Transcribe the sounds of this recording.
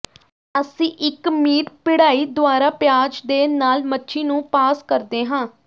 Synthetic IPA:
əsĩːʔɪkmiːʈpɪɽaːiːd̪ʊaːɾaːpjaːd͡ʒd̪eːnaːlmətːʃʰiːnũːpaːskəɾd̪eːɦãː

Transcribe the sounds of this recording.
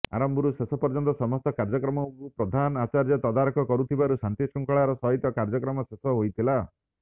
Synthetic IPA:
a̰ɾɔmbʱɔɾusesɔpɔɾd͡ʒɔnt̪ɔsɔmɔst̪ɔkaɾd͡ʒɔkɾɔmɔkupɾɔd̪ʱanat͡ʃaɾjɔt̪ɔd̪aɾɔkʰɔkɔɾut̪ʰibaɾusant̪isuŋkɔɭaɾɔsɔɦit̪ɔkaɾd͡ʒɔkɾɔmɔsesɔɦojt̪ʰila

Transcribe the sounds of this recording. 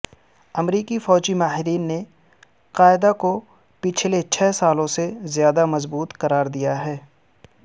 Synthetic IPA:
ɐmɾiːkifɔːd͡ʒimaːɦɪɾiːnːe | qaːɪd̪ako | pɪt͡ʃʰlet͡ʃʰɛːsaːlõsezjaːd̪amɐzbuːt̪qɐɾaːɾd̪ijaɦɛː

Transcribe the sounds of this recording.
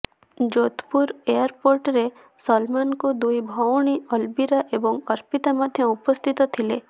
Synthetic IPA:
d͡ʒot̪puɾejaɾpoɾʈɾe | sɔlmankud̪ujbʱɔwɽ̃iɔlbiɾaʔebɔŋɔɾpit̪amad̪ʱjɔupɔst̪ʰit̪ɔt̪ʰile

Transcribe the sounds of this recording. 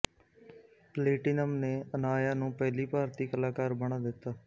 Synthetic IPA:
pleːʈinəmneːənaːjaːnũːpɛːliːpaːɾt̪iːkəlaːkaːɾbəɽ̃aːd̪ɪt̪ːaː

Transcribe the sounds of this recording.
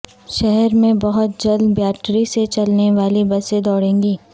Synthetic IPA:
ʃɛɦɛɾmẽbɐɦʊt̪̚d͡ʒɐld̪bjaːʈɾiset͡ʃɐlneʋaːlibɐsed̪ɔːɽẽːŋɡiː

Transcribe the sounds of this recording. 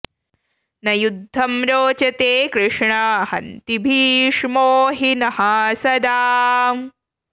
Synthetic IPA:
nɐjud̪ʱːɐmɾoːt͡ʃɐt̪eːkɾɪʂɳɐhɐ̰nt̪ibʱiːʂmoːɦinɐhaːsɐd̪aː

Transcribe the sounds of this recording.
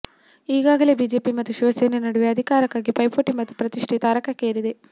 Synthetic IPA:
iːɡaːɡɐle̞ːbiːd͡ʒe̞ːpimɐt̪ːuʃiʋɐseːnenɐɽuʋeɐd̪ʱikaːɾɐkːaːɡipɐjpoːʈimɐt̪ːu̥pɾɐt̪iʂʈʰit̪aːɾɐkɐkːeːɾid̪e

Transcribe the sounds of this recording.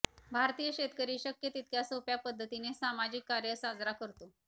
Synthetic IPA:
bʱaɾt̪ijəɕet̪kəɾiːɕəkjət̪it̪̚kjasopjapəd̪ʱːət̪inesamad͡ʑikːaɾjəsad͡zɾakəɾt̪o

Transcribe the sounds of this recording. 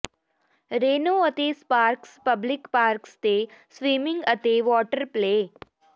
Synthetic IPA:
ɾeːnoːɐt̪espaːɾkspəblɪkpaːɾkst̪esʋiːmɪ̃ŋɡət̪eʋɔːʈəɾpleː

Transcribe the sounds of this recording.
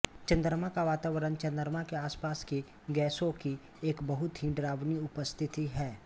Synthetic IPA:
t͡ʃɐ̃nd̪əɾmakaʋaːt̪aːʋəɾənt͡ʃɐ̃nd̪əɾmakeaːspaːski | ɡɛːsõki | eːkbɐɦʊt̪ɦĩɖɾaːʋniʊpəst̪ʰɪt̪iɦɛː

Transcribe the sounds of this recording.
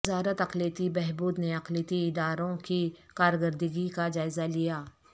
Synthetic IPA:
ɪzaːɾət̪ɐqliːt̪ibɛɦbuːd̪neɐqliːt̪iɪd̪aːɾõkikaːɾɡəɾd̪əɡikad͡ʒaːɪzalijaː

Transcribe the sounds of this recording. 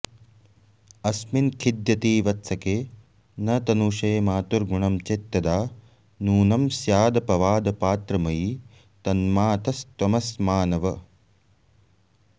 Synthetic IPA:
ɐsminkʰid̪jɐt̪iːʋɐt̪sʰɐkeː | nɐt̪ɐnuːʂeːmaːt̪uɾɡuɳɐmt͡ʃet̪ːɐd̪aː | nuːnɐmsjaːd̪ɐpɐʋaːd̪ɐpaːt̪ɾɐmɐji | t̪ɐnmaːt̪ɐst̪wɐmɐsmaːnɐʋɐ

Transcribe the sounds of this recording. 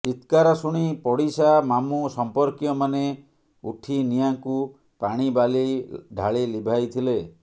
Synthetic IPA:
it̪kaɾɔsuɽ̃ipɔɽisamamusɔmpɔɾkjɔmane | uʈʰinijaŋku | paɽ̃ibaliɖʱaɭilibʱajt̪ʰile

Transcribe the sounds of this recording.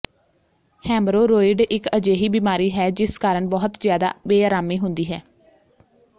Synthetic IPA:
hɛ̃ːmɾoːɾoːɪɖɪkəd͡ʒeːɦiːbiːmaːɾiːɦɛːd͡ʒɪskaːɾəɳbɔːʊt̪zjaːd̪a̰ːbeːaːɾaːmiːɦʊnd̪iːɦɛː

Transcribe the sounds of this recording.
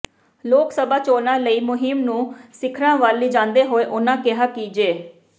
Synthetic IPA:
loːksəbaːt͡ʃoːnãːləiːmʊɦɪmnũːsɪkʰɾãːʋaːlːiːd͡ʒãːnd̪eːɦoːeːʔʊnãːkɪɦaːkiːd͡ʒeː

